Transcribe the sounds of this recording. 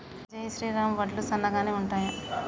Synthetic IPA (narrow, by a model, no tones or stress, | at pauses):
d͡ʒɐjiʃɾiːɾaːmʋɐʈlusɐnːɐɡaːneːuɳʈaːja